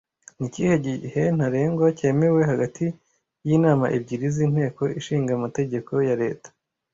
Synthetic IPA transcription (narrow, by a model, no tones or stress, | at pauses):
nicihe̞ɟihen̥aɾeːŋɡwace̞ːme̞we̞ɦaɡatʰi | jinaːmaʔib̚ɟiːɾizin̥he̞ːko̞iʃiːŋɡamate̞ɟe̞kʰo̞jaɾe̞ːtḁ